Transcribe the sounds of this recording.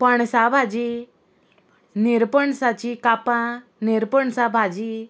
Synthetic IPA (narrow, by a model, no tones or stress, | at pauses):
pəɳsabʱad͡ʑi | niɾpəɳsat͡ɕikapãniɾpəɳsabʱad͡ʑi